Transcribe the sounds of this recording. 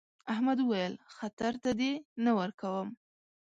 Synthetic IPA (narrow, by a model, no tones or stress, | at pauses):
ahmad̪uwajəlxat̪aɾt̪ad̪enawəɾkawəm